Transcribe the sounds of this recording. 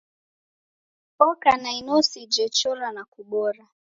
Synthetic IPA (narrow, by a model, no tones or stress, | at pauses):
pɔkanainɔsid͡ʒɛt͡ʃɔlanakuɓɔɾa